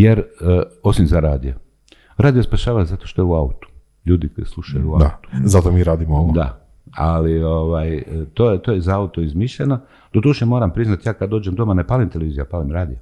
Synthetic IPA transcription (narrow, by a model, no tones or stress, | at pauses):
jeɾo̞simzaɾaːd̪ijo | ɾaːd̪ijospaʃaːʋazat̪o̞ʃt̪o̞jeuaut̪u̥ | ʎuːd̪iko̞jḭslˠuʃajuuaaut̪u̥zat̪omiːɾaːd̪imooʋd̪a̰ | alioʋajt̪oːjet̪oːjezaaut̪oizmiʃʎeno | d̪̥od̪uʃemo̞ːɾampɾiznat̪jaːkad̪d̪o̞ːd͡ʒemd̪o̞manepalimt̪eleʋiːzijopalimɾaːd̪ijo